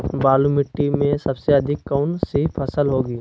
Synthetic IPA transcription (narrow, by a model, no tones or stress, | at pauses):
baːlumɪʈːimẽsɐbseɐd̪ʱɪkːaʊnseipʰɐsəlɦoːɡiː